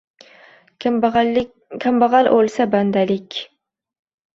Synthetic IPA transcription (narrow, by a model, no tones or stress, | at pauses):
kʰambɑʁɑlʔolˠsaband̪alɪkʲ